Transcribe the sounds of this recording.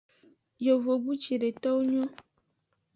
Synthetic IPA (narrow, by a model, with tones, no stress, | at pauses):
jo˨vo˨bu˦t͡ʃi˨ɖe˨t̪ɔ˦wu˦ɲɔ̃˦